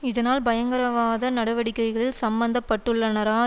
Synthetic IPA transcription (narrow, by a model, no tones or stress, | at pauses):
ɪðɐnaːlbɐjɐŋɡɐɾɐʋaːðɐnɐɽɐʋɐɽɪkːɐɪɣɐɭɪlsɐmbɐnd̪ɐpːɐʈːɯɭːɐnɐɾaː